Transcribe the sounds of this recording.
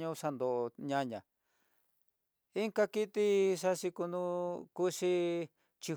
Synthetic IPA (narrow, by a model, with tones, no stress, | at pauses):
ɲũ˧ʂa˧nd̪o˨˧ɲã˧ɲã̰˨ | i˦ŋka˦ki˦t̪i˦ʂa˦˧ʂi˧ku˧nũ˦ku˦ʂi˧ | t͡ʃi˧